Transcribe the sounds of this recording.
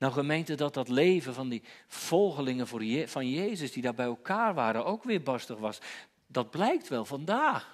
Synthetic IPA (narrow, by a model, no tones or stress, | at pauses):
nawχəmejntədɑt̚dɑtlejvənvɑndiv̥ɔlˠχəlɪŋənvʊːɹvɑnjejzəsdidaːɹbɛjɛlˠkaːɹʋaːɾənowkʋɪːɹbɑstəχʋɑs | dɑd̚blɛjk̚tʋɛlˠvɑndaːχ